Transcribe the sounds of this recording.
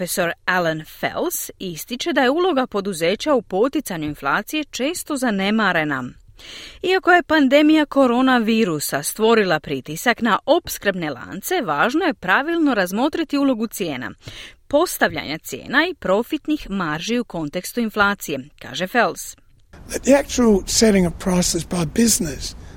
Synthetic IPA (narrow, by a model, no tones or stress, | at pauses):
eso̞ɾalanfḛlˠsist̪it͡ʃe̞d̪aje̞uːlˠo̞ɡapo̞d̪uze̞ːt͡ɕaupo̞t̪it̪saɲuinflˠaːt̪sije̞t͡ʃe̞ːst̪o̞zane̞maɾe̞na̰ | iako̞je̞pand̪e̞mijako̞ɾo̞naʋiːɾusast̪ʋo̞ɾilˠapɾit̪isaknaʔopskɾbne̞lˠa̰ːnt̪se̞ʋaːʒno̞je̞pɾaʋilˠno̞ɾazmo̞t̪ɾit̪iuːlˠo̞ɡut̪sje̞ːna̰po̞st̪aʋʎa̰ɲat̪sje̞̰ːnaipɾo̞fit̪nixmaɾʒiuko̞nt̪e̞kst̪uinflˠaːt̪sije̞ka̰ːʒe̞felˠs | ðət̪̚ðiæk̚t͡ʃul̩ˠsɛɾɪ̃ŋəv̥pʰɹ̥aɪsɨzbaɪbɪznɪs